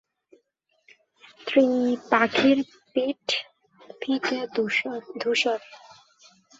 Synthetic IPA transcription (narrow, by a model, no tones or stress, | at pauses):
t̪ʰɾipakʰiɾ | piʈ | pʰite | d̪ʱuʃɔɾ